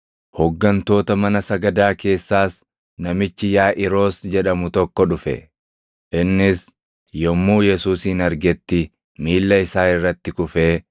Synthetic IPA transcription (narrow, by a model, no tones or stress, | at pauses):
hɔɡːɐnt̪o̞ːt̪ɐmɐnɐsɐɡɐd̪aːke̞ːsːaːs | nɐmɪt͡ʃːɪjaːʔɪɾo̞ːsd͡ʒɛᶑɐmʊt̪ɔkːɔᶑʊfɛ̰ | ʔɪnːɪs | jɔmːuːjɛsuːsːnɐɾɡɛt̪ːɪ | miːlːɐɪsaːɪrːɐt̪ːɪkʊfeː